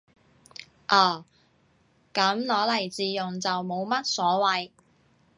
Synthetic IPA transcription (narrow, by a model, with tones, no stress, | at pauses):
ʔɔː˨˩ | kɐ˨˥mlɔː˨˥lɐ˨˩jt͡siː˨˧jʊ˨ŋt͡sɐ˨wmo˨˧wmɐ˥t̚sɔː˨˥wɐ˨˧j